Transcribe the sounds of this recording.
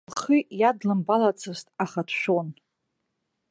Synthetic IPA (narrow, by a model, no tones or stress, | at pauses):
χʰijadlɨmbalat͡sʰɨstʼaχatʰʃʷᶣon